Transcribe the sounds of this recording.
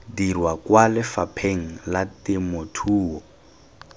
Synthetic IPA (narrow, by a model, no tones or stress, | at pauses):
dirwakwalɪfapʰeŋ̩latɪmotʰuːɔ